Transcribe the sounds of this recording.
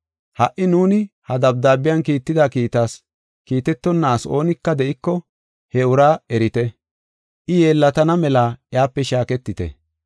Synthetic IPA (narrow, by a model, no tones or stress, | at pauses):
hɐʔɪnuːnɪhɐd̪ɐb̚d̪aːbɪjɐnkiːt̪ːɪd̪akiːt̪as | kiːt̪ɛt̪ːɔnːaːso̞ːnɪkːɐd̪ɛʔɪkːɔ | hɛʊɾaːɛɾɪt̪ɛ | ʔɪje̞ːlːɐt̪ɐnɐmɛlaːjaːpːɛʃaːkɛt̪ːɪt̪ɛ̰